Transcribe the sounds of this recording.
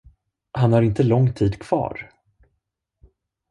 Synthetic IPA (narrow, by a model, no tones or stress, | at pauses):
hanhaɾɪnt̪əlɔŋːt̪ʰiːd̪kʰv̥ɑ̰ːɾ